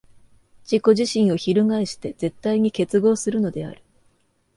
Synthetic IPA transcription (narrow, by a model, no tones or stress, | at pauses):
d͡ʑiko̞ʑiɕĩɰ̃o̞çiɾɯ̟ŋaiɕi̥t̪e̞d͡ze̞t̪ːaiɲ̟ike̞t͡sɨɡo̞ːsɨɾɯ̟no̞d̪e̞a̰ɾɯ̟̥